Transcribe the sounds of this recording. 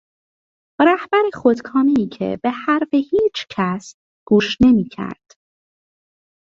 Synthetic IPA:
ɾæhb̥æɾexod̪̥kʰɒːmeiːcʰḛb̥ehæɾfehiːt͡ʃʰcʰæs | ɡ̥uːʃne̞miːcʰæ̰ɾd̪̥

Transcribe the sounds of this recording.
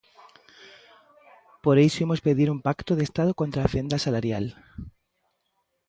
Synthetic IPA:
po̞ɾe̞jsoemo̞spe̞ðiɾumpakt̪oðest̪aðokont̪ɾafe̞nd̪asalaɾjal

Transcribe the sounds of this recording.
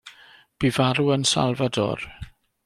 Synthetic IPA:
b̥ivaɾuənsa̰lˠvadɔ̰r

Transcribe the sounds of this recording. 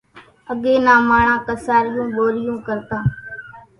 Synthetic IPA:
əɠeːnaːmaːɳãːkəsaːɾɪjũːɓoːɾɪjũːkəɾt̪ãː

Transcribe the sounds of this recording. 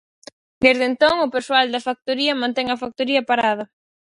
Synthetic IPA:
d̪ezðent̪oŋʊpeswald̪ɐfak̚t̪oɾiɐmãnt̪ɛŋɐfak̚t̪oɾiɐpaɾað̞ɐ

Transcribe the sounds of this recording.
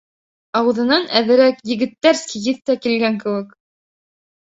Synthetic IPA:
ɑwɤ̆ðɤ̆nɑnæðɘ̆ɾækjɘ̆ɡɘ̆t̪ːæɾskijɘθt̪ækilɡæŋkɘ̆wɘk

